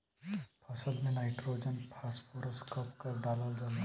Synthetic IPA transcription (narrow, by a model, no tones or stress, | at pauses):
pʰɐsəlmẽnaːɪʈɾoːd͡ʒənpʰaːspʰoːɾəskəpkɐɾɖaːləld͡ʒan